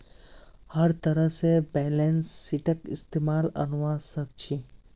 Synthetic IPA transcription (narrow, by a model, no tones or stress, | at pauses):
həɾt̪əɾəɦsebɛːlẽnsːiʈʰəkɪ̰st̪eːmaːlɐ̰nʋaːsək̚t͡ʃʰi